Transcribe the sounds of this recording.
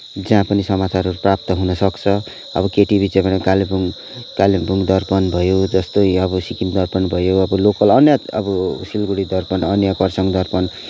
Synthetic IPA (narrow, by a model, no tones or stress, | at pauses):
d͡zãpʌnisʌmat͡saɾʌɾuprap̚t̪ʌɦunʌsʌkt͡sʰʌ | ʌ̰bʌkeʈibʱit͡sʌbʌɽ̃ekalebuŋ | kalebuŋd̪ʌrpʌnbʱʌjod͡zʌst̪ojʌbʌsikind̪ʌrpʌnbʱʌjoʌbʌlokʌlʌnjaʌ̰bʌsilɡuɽid̪ʌrpʌnʌnjakʌrsʌŋd̪ʌrpʌn